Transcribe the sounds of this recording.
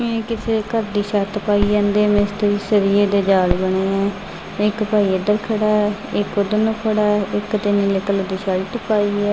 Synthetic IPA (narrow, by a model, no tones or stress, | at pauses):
mẽːkɪseːkəɾd̪iːʃaːt̪paːiːãːnd̪eːmẽst̪əɾiːsəɾiːeːd̪eːd͡ʒaːlbəɳ̃eːɛː | ɪkpaːiːəd̪əɾkʰəɽaːɛɪkod̪ənoːkʰəɽaːɪkt̪eːniːleːkəld̪iːʃaːt̪paːiːɛː